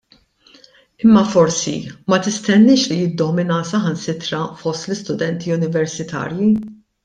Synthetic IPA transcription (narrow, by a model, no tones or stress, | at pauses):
ɪmːɐfɔɾsḭmɐt̪ɪst̪ɛnːɪːʃlijɪd̪ːɔmɪnɐːsɐħɐnsɪt̪ɾɐfɔst̪lɪst̪ʊd̪ɛnt̪iʊnɪvɛɾsɪt̪ʰɐ̰ːɾji